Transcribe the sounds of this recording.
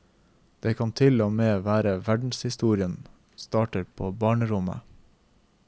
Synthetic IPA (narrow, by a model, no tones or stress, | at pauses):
d̪̥eːkʰɑnt̪ʰɪloːmeːʋæːɾəʋæɖɳ̩shɪst̪uːɾɪən | st̪ɑːʈəɾpʰoːbɑːɳəɾʊmə̰